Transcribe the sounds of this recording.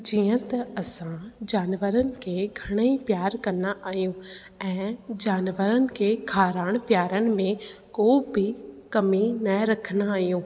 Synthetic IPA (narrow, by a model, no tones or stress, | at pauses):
d͡ʑiːə̃t̪ɐɐsãd͡ʑaːnʋəɾənɪ̆kʰeːɡʱɐɽ̃əipjaːɾkɐnaʔaːɦijũː | ɛ̃ːd͡ʑaːnʋəɾənɪ̆kʰeːkʰaːɾaːɽ̃pjaːɾənɪ̆mẽ | koːbʱɪkɐminɐɾɐkʰənaaːɦijũː